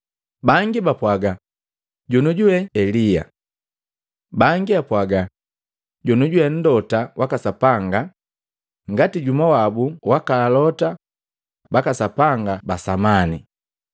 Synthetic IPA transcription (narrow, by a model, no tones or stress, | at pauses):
baŋɡibapwaɡa | ɟunuɟuwɛɛlija̰ | baŋɡiapwaɡa | ɟunuɟuwɛn̩dɔtawʔakasapaŋɡa | ŋɡatiɟumawabuwakalalɔta | bakasapaŋɡabasamani